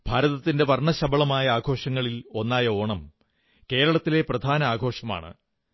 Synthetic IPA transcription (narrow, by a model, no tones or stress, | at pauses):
bʱaːɾɐðɐt̪ːinde̞ʋɐrɳɐɕɐbɐɭɐmaːjɐaːɡʱo̞ːʂɐŋːɐɭilo̞nːaːjɐo̞ːɳɐm | ke̞ːɾɐɭɐt̪ːile̞prɐd̪ʱaːnɐaːɡʱo̞ːʂɐma̰ːɳɨ̰